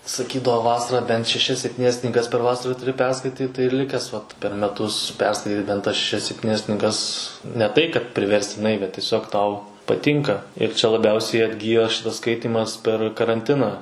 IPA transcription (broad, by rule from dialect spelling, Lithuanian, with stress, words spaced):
sɐˈkʲiːdɐʋoː ˈʋɑːsɐrɑː bʲɛnt ʃʲɛˈʃʲɛs sʲɛpʲˈtʲiːnʲɛs knʲiːˈɡɐs pʲɛr ˈʋɑːsɐrɐ tʊˈrʲɪ ˈpʲɛrskɐɪtʲiːt tɐɪ ɪr ˈlʲɪkʲæːs ʋɐt pʲɛr mʲɛˈtʊs ˈpʲɛrskɐɪtʲiːt bʲɛnt tɐs ʃʲɛˈʃʲɛs sʲɛpʲˈtʲiːnʲɛs knʲiːˈɡɐs nʲɛ ˈtɐɪ kɐt pʲrʲɪʋʲɛrʲsʲtʲɪˈnɐɪ bʲɛt tʲiɛˈsʲoːk ˈtɐʊ pɐˈtʲɪŋkɐ ɪr t͡ʃʲɛ lˠɐˈbʲɛʊsʲɛɪ ɐdʲˈɡʲiːjoː ˈʃʲɪtɐs ˈskɐɪtʲiːmɐs pʲɛr kɐrɐnʲˈtʲɪnɑː